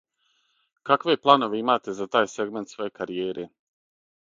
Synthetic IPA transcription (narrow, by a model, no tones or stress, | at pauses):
kakʋe̞plˠano̞ʋeimaːt̪e̞zat̪aːjse̞ɡme̞nt̪sʋo̞je̞kaɾijeːɾʔe